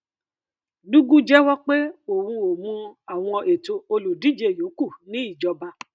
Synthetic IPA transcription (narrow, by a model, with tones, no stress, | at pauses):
du˦ɡũ˦d͡ʒɛ˦wɔ˦k͡pe˦o˨wũ˧o˨mũ˧a˨w̃ɔ̃˧e˨to˧o˧lu˨di˨˦d͡ʒe˧˦˨jo˨˦ku˦˨nĩ˦i˦˨d͡ʒɔ˧ba˧